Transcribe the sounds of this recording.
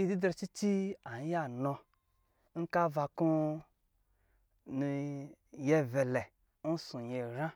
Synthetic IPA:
i˧di˦dɾa˧˨t͡ʃi˦t͡ʃi˦a˨n˦ja˦˨nɔ˧ | ŋ̩˦ka˦va˧ku˦ | ni˧ | je˧ve˨lɛ˨ | n˦sũ˨je˧ɾã˦

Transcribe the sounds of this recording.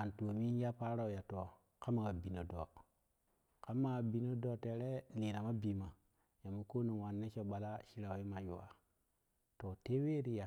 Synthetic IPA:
a˨nto˨mi˦ja˦pa˦ɾa˦˨u˨ja˨to˨ | ka˦mːa˨ɡa˨bi˨no˨do˨ | ka˦mːa˦˨a˨bi˨no˦do˦˨te˨ɾe˦li˨na˨ma˦bi˨ma˨ | ja˨mu˨ko˦ni˨wa˨nːe˦t͡ʃo˨ɓa˨la˦ʃi˦ɾa˨wi˦ma˨jṵ˨wa̰˨ | to˨te˦we˦ɾi˨ja˨

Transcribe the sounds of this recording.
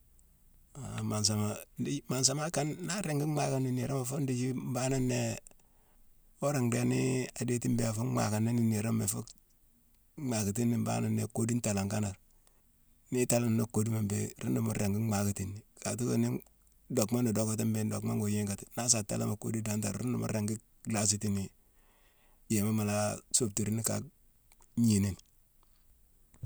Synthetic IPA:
a˨ma˨ns̬a˨ma˨˦ma˨ns̬a˨˦ma˦ka˦nːa˦ɾe˨ŋɡi˦ma˦ka˦ni˨ni˨ɾa˦ma˨fo˦ndi˦d͡ʒi˦m˦ba˦na˦nːe˦ | o˦ɾi˨ŋde˦ni˦a˨de˦ti˦mbe˦a˨fu˦ŋ͡ma̰˨ka˨ni˦ni˨ni˨ɾo˦me˨fu˦ | ma˨ki˨t̬i˦nːi˨mba̰˦na˦nːḛ˨ko˦di˦nta˨la˨ŋka˦na˨ɾ | ni˦ta˦la˦m˨no˦ko˦di˦ma˨mbḛ˦ɾi˦nu˨mṵ˦ɾe˨ŋɡi˦ma˨ki˨ti˦nːi˨ka˨tu˦ko̰˦ni˦ | do˨kma˦ni˨do˦ko˦t̬i˦mbe˦n˦do˨kma˦ŋɡo˨je˦ŋɡa˨ti̥˨na˦s̬a˨ta̰˦la̰˦ma˨ko̰˦di˦da˦nta˨ɾɾu˦ndu˨mṵ˦ɾe˨ŋɡi˦ | ɡla˦s̬i˦ti˦ni˨ | je˨ma˦ma˨la˦so˦b̚ti˨ɾi˦ni˦ka̰˨ | ɲi˨ne˦n

